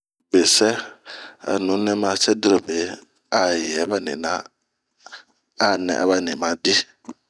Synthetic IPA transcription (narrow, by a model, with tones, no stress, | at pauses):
be˨sɛ˦ | a̰˨nʊ̃˨˦nɛ̃˦mã˨˦sɛ˦dɾo˨be˨ | a˨jɛ˨˦ba˦nɪ̰̃˨nã˦ | a˦nɛ̰̃˨ʔa̰˨˦βa˦nɪ̃˨mã˨˦dɪ˦